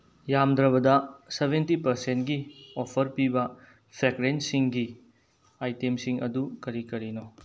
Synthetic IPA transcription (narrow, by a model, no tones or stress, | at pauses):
jamd̪ɾɐβɐdɐsebʱentipɐɾsentɡiopʰɐɾpibɐ | pʰɾeɡɾensiŋɡi | ajtemsiŋɐ̰dukɐɾikɐɾino